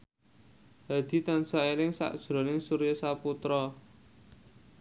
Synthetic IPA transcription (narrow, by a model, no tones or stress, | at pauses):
ad̪̥i̤t̪ansaelɪŋsa̰ʔd̥ʒ̥ɾɔ̤nɪŋsuɾjɔsaput̪ɾɔ